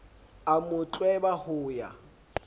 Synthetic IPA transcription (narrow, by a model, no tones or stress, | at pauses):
amʊt͡ɬʼwɛbahʊːja̰